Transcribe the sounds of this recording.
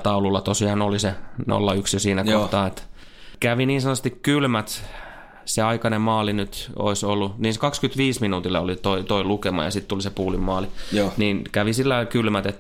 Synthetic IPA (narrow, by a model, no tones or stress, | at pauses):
t̪ɑululːɑt̪osiɑːnoliseno̰lːɑyksjosiːnækohtt̪ɑːet̪ | kæʋiniːnsɑnɑst̪ikkylmæt̪ | seɑikɑnemmɑːlinyt̪o̰isolːuniːnsekɑkskyt̪ʋiːsminuːt̪ilːɑolit̪oit̪oilukemɑ̰jɑ̰sit̪t̪ulisepuːlimmɑːliniːnkæʋisilːɑilkylmæt̪et̪ː